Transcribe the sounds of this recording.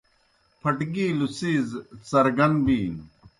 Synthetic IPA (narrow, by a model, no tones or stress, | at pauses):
pʰɐʈɡiːlusiːzsɐɾɡɐnbiːn